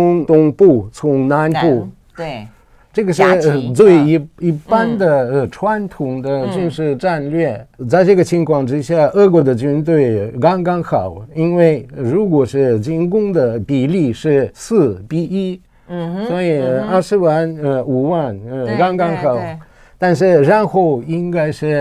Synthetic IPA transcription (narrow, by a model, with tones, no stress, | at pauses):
ʊ˧˥ŋt̪ʊ˥ŋpu˥˩t͡sʰʊ˧˥ŋna˧˥npu˥˩ | ʈ͡ʂɤ˥˩ɡə˩ʂɻ̩˥˧t͡swe˥˩ɪ˧˥i˧˥pa˥nd̪ə˨ə˧˩ʈ͡ʂʰwa˥nt̪ʰʊ˧˥ŋd̪ə˧t͡ɕy˥˧nʂɻ̩˥˧ʈ͡ʂa˥˧nlɥɛ˥˩t͡sa˥˧ɪʈ͡ʂɤ˥˩ɡə˩t͡ɕʰi˧˥ŋkʰwɑ˥˩ŋʈ͡ʂɻ̩˥ɕja˥˧ɤ˥˩k̬wɔ˧˥d̪ə˧t͡ɕy˥nt̪we˥˩ɪkɑ˥ŋkɑ˥ŋxɑ˨˩˦ʊi˥nwe˥˩ɪɻu˧˥k̬wɔ˨˩ʂɻ̩˥˧t͡ɕi˥nkʊ˥ŋd̪ə˨pi˨˩li˥˧ʂɻ̩˥˩sɹ̩˥˩pi˥˩i˥˧ | swɔ˧˥i˨˩˧ə˥˧ʂɻ̩˥wa˥˩nə˧u˨˩wa˥˩nə˧kɑ˥ŋkɑ˥ŋxɑ˨˩˦ʊ | t̪a˥˧nʂɻ̩˥˧ɻa˥˧nxo˥˩ʊi˥ŋka˥ɪʂɻ̩˥˩